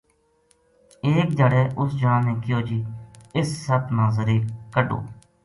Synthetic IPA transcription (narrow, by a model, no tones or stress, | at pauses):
eːk̚d͡ʒəɽɛːʔʊsd͡ʒãːnẽːkɪjoːd͡ʒiːɪsːət̪nãːzəɾiːkəɖo̰ː